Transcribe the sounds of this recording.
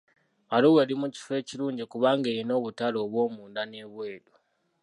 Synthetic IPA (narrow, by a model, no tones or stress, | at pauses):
aloweɾimuci̥fe̞ːciɾuːɲɟikuβaːŋɡe̞ːɾino̞ːβutalo̞ːβwo̞ːmuːndane̞βwe̞ːdu